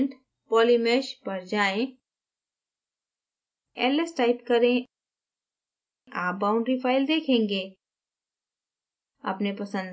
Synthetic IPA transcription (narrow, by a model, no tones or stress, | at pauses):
ɳʈ | pɔːlimeʃpɐɾd͡ʒaːẽ | ɛ̰ːlesʈaːɪpkɐɾẽ | ʔaːp̚baːʊ̃ɳɖɾifʰaːɪld̪eːkʰẽːŋɡeː | ɐ̰pnepɐsə̃nd̪